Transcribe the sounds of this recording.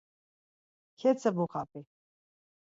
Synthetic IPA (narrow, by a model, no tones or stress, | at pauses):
kʰɛt͡sʰəbuχapʼi